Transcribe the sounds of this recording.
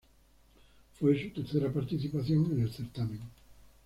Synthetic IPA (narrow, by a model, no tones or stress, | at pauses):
fojsut̪eɾθeɾapaɾt̪iθipaθjoŋenelθeɾt̪amẽŋ